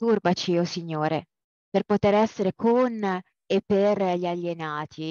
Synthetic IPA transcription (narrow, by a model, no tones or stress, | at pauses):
t̪urbat͡ʃiosiɲːoːɾe | perpot̪eɾɛsːeɾekʰon | epːerʎiaʎːenaːt̪ʰi